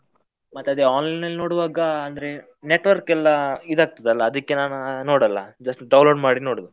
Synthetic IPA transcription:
mɐt̪ːɐd̪eaːnlɐjnɐlno̞ːɽʋaːɡɐɐnd̪ɐɾe | ne̞ʈʋɐɾkɛlːɐid̪aːɡ̚t̪id̪ɐlːɐːd̪ɐkːenaːnunoːɽɐlːɐd͡ʒɐsʈɖɐwnloːɖmaːɽino̞ːɽd̪u

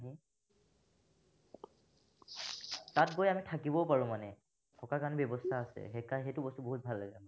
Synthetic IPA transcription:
ɦi | tatɡojamitʰakibɔpaɹũmanɛ | tʰɔkakanɛbɔbɔstʰaːsɛ̰xɛkaxejtʊbɔstuboɦut̚bʱalːaɡɛ

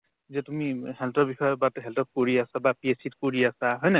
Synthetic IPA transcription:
zɛtumihɛltɔbixɔjbatɦɛltɔp̚koɹiasabapiesit̚koɹiasaɦɔjnɛ

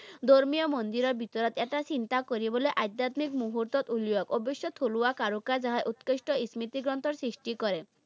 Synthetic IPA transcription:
d̪oɾmijɔmond̪iɾɔbʱit̪ɔɾɔt̪eʈat͡ʃint̪akɔɾibɔleʔajd̪at̪mikmuɦuɾt̪ɔt̪ulijɔkobeʃjɔt̪ʰoluakaɾukad͡ʒaɦaʔut̪keʃʈɔismit̪iɡɾɔnt̪ɔɾsɾisʈikɔɾe

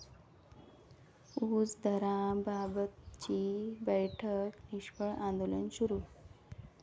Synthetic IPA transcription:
uːt͡sd̪ʱəɾãbabət̪t͡ɕibəjʈʰəkniɕpəɭʔãnd̪olənɕuɾuː

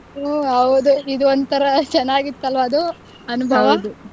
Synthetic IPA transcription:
ɦɐwd̪uid̪uont̪ɐɾɐt͡ʃɛnːaːɡit̪ːɐlʋɐːd̪u | ɐnubʱɐʋɐd̪u

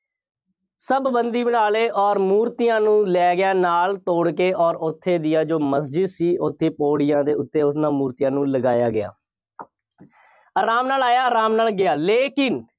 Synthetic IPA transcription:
səbːənd̪iːbənaːleːʔɔːɾmuːɾt̪ɪjãːnũːlɛːɡɪjaːnaːlt̪oːɽkeːʔɔːɾʊt̪ʰːeːd̪ɪjaːd͡ʒoːməsd͡ʒɪd̪siːʔot̪ʰːeːpoːɽɪjãːd̪eːʊt̪ʰːeːʊsnãːmuːɾt̪ijãːnũːləɡaːjaːɡɪa̰ː | aːɾaːmnaːlaːjaːəɾaːmnaːlɡɪaːleːkɪn

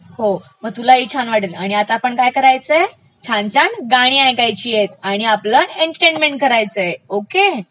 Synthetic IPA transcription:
homəɡ̚t̪ulait͡ɕʰanʋaɽilaɽ̃iat̪aːpəɳkajkəɾajt͡s | t͡ɕʰant͡ɕaɳɡaɽ̃iajkajt͡ɕiːjet̪aɽ̃iapləneɳʈʈenɖmeɳʈ̚kəɾajt͡səoke

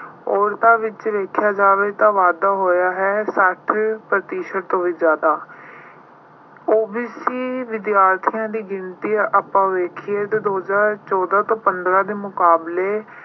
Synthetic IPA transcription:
ɔːɾt̪ãːʋɪt͡ʃʋeːkʰjaːd͡ʒaːʋeːt̪ãːʋaːd̪aːɦoːjaːɦɛːsəʈʰpɾət̪iːʃəʈt̪õːʋiːzjaːd̪aː | oːbiːsiːʋɪd̪jaːɾt̪ʰijãːd̪iːɡɪnt̪iːʔapãːʋeːkʰiːɦɛːt̪eːd̪oːɦzaːɾt͡ʃɔːd̪aːt̪õːpənd̪ɾãːd̪eːmʊkaːbleː

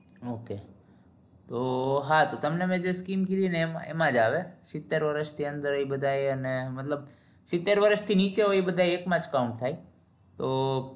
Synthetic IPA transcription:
oːke | t̪oɦãt̪ot̪ɐmnemẽd͡ʒeskiːmkilinemaḛmãd͡ʒaːʋesɪt̪ːeɾʋəɾəʃt̪ʰiɐ̃nd̪əɾəibəd̪ʱaːiənemɐt̪ləb̚ | sɪt̪ːeɾʋəɾəʃt̪ʰiniːt͡ʃeoibəd̪ʱaːieːkmãt͡ʃkaʊ̃ɳʈt̪ʰaːi | t̪oː

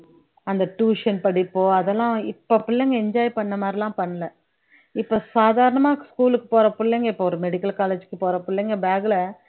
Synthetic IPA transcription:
ɐnd̪ɐʈuːʂɐnpɐɽɪpːoːɐðɛlːãːɪpːɐpːʊlːeŋɡɐɛɲd͡ʒaːjpɐɳːɐmaːd̪ɾɪlãːpɐɳːɐlɐ | ɪpːoːsaːðaːɾɐɳɐmãːskuːlɯkːɯ̥poːɾɐpːʊɭːeŋɡɐɪpːoːɔɾɯmɛɽɪkːɐlkaːleːd͡ʒɯkːɯpoːɾɐpːʊɭlːeŋɡɐbaːɡɪlɐ

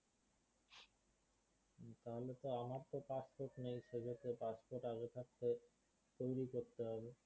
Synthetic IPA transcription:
t̪aɦolet̪oamaɾt̪opaspoɾʈnejʃed͡ʑʱot̪epaspoɾʈaɡet̪ʰak̚t̪e | t̪ojɾikoɾt̪eɦɔbe

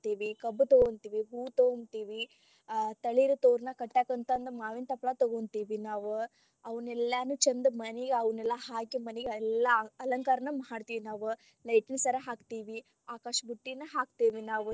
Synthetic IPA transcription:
t̪iːʋikɐbːt̪oɡont̪iːʋiɦuːt̪oːnt̪iːʋi | t̪ɐɭiɾut̪oːɾnɐkɐʈːaːkɐnt̪ɐːnd̪ɐmaːʋint̪ɐpːɭat̪oɡont̪iːʋinaːʋu | ɐʋɐnɛlːaːnut͡ʃɐnd̪ɐmɐneɡeɐʋɐnɛlːɐɦaːkimɐneɡeɛlːɐɐlɐŋkaɾɐnɐmɐɦaːɖt̪iːʋinaːʋu | lɐjʈinsɐɾɐɦaːkt̪iːʋi | aːkaːʂɐbuʈːinɐɦaːkt̪iːʋinaːʋu

